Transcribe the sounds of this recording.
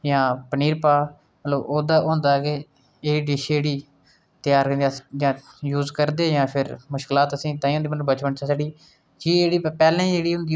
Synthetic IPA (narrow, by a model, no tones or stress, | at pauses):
jãːpəniːɾpaː | mət̪ləboːd̪aːʔõːnd̪aːɡeː | eːɽiːɖɪʃeːɽiː | t̪jaːɾkajãː | juːzkəɾd̪eːjãːpʰɪɾmʊʃkɪlaːt̪əsĩːt̪ãːĩːõːnd̪ːmət̪ləbət͡ʃpəɳt͡ʃaːseːɽiː | d͡ʒiːeːɽiːpɛːlɛ̃ːeːɽiːɦʊ̃nd̪iː